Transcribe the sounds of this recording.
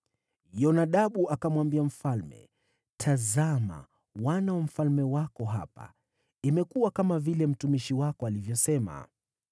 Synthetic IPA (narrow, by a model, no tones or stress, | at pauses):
jɔnaɗaɓuʔakamwambiam̩falmɛ̰ | tʰazama̰ | wanawam̩falmɛwakɔɦa̰pa̰ | imɛkuwakamavilɛm̩tumiʃiwakɔalivjɔsɛma̰